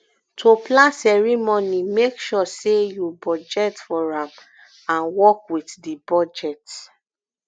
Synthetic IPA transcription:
tʰoplãnsɛɹimɔnimekʃɔsejubɔd͡ʒɛtfɔɹãm | ãnwɔkwitdibɔd͡ʒɛt

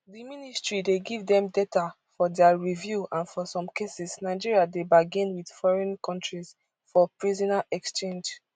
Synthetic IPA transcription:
diministɹideɡivdɛ̃mdɛta | fɔdɛaɹivjuãnfɔsɔ̃mkʰesisnaɪd͡ʒiɹiadebaɡĩnwid̥fɔɹɛ̃nkʰɔ̃ntɹis | fɔpɹizɔnaʔɛkst͡ʃẽnd͡ʒ

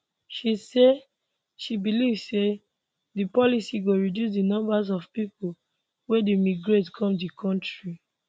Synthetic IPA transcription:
ʃise | ʃibilivse | dipɔlisiɡoɹidjus̬dinɔ̃mbazɔvpipu | wedemiɡɹetkʰɔ̃mdikʰɔ̃ntɹi

